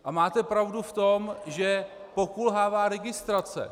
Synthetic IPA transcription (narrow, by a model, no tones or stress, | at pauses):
ʔamaːt̪ɛpɾavduft̪o̞mʒɛ | po̞kulɦaːvaːɾɛɡɪst̪ɾat͡sɛ̰